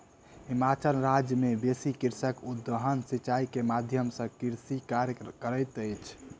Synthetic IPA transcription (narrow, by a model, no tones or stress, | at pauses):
himat͡ʃəlɾad͡ʒjəmebesikiɾsəkud̪əɦənsit͡ʃaikemad̪ʱjəmsə̃kiɾsikaɾkəɾəjt̪əjt͡ʃʰ